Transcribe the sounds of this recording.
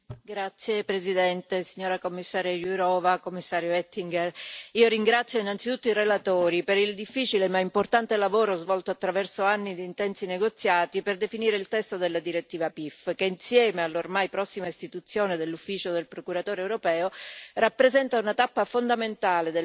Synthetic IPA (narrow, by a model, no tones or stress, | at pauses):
ɡɾat̪sːjepɾezid̪ɛnt̪esiɲːoːɾakomːisːaːɾjojuɾɔːvakomːisːaːɾjoɛt̪ːiŋɡeriːoɾiŋɡɾat̪sːjoinːant̪sit̪ut̪ːoirelat̪oːɾipeɾild̪ifːiːt͡ʃilemaimport̪ant̪elavoːɾozvɔlt̪oat̪ːɾavɛrsoanːid̪iːnt̪ɛnt̪sineɡot̪sːjaːt̪iperd̪efiniːɾeilt̪ɛst̪od̪elːad̪iɾet̪ːiːvapifkeinsjɛːmealːormajpɾɔsːimaist̪it̪ut̪sːjoːned̪elːufːiːt͡ʃod̪elpɾokuɾat̪oːɾeːwɾopɛːorapːɾezɛnt̪aunat̪apːafond̪ament̪aːled̪e